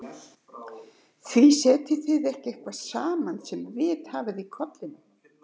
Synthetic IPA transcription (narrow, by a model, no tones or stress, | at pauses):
θvisɛːt̪ɪθɪðɛhcɪɛhkvasaːmansɛmvɪðhaːvɪðikʰɔt̪lɪn